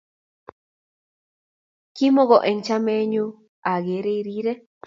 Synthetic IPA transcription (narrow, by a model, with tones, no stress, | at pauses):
ki˦mõ˦ɣo˨ʔe˨nt͡ʃa˦mẽ˦ɲũ˦ | a˨ɣe˨˦ɾe˧i˧ɾi˦ɾe˦